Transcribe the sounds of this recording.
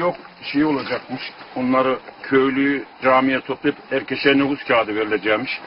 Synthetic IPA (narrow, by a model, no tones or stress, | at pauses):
jok | ʃejio̞lˠad͡ʒakmɯʃonlˠaɾɯkʰøjlʲyjyd͡ʒaːmijɛt̪ʰoplˠipæɾcʲʰeʃɛnoɡuzcʲʰaːd̪iveɾilʲed͡ʒɛmiʃ